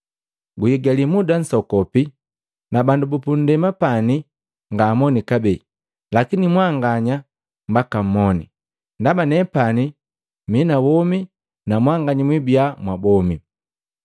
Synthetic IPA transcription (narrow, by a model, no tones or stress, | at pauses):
ɡujiɡalimudan̩sɔkɔpi | nabandubupun̩dɛmapani | ŋɡamɔnikabɛ | lakinimwaŋɡaɲa | mbakam̩ːɔni | ndamanɛpani | minawɔmi | namwaŋɡaɲimwibiamwabɔmi